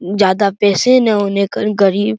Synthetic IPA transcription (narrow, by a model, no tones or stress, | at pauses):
d͡ʒjaːd̪apɛːsẽnɛ̃ɦoːnekəɡɐɾiːb